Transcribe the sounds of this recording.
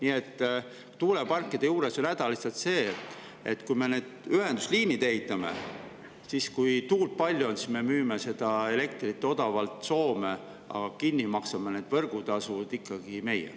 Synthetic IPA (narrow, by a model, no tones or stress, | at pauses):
niːe̞t̪ː | t̪uːle̞pɑrkːˑid̪ejuːɾe̞so̞nnæd̪̥ɑlisɑt̪se̞ːt̪ | et̪ːˑkujme̞neːd̪̥yɦe̞nd̪̥usliːnid̪eit̪ːˑɑme̞̰ | siskujt̪uːlt̪̚pɑlʲjuonsisme̞myːmese̞d̪̥ɑe̞le̞kt̪rit̪ːeo̞d̪̥ɑvɑlt̪so̞ːme | ɑ̰ɡ̥ɑkinːimɑksɑmeneːd̪̥vɤrɡ̥ut̪ɑsud̪ikːɑɡ̥ime̞jḛ